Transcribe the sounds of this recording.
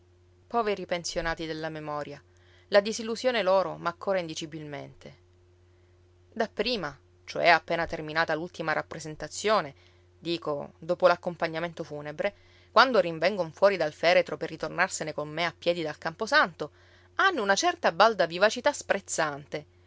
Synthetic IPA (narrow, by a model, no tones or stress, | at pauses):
pɔːveɾipensjonaːt̪id̪elːamemɔːɾja | lad̪izilːuzjoːneloːɾomaːkːoːɾaind̪it͡ʃibilmḛnt̪ʰe | d̪apːɾiːma | t͡ʃoɛapːeːnat̪erminaːt̪alult̪imaɾʔapːɾezent̪at̪sːjoːne | d̪iːkod̪oːpolakːompaɲːament̪ofuːnebɾe | kwand̪oɾiɱvɛŋɡoɱfwɔːɾid̪alfɛːɾet̪ɾoperːit̪ornarsenekomːeapːjɛːd̪id̪alkamposant̪o | anːounat͡ʃɛrt̪abald̪avivat͡ʃit̪aspɾʔet̪sːant̪e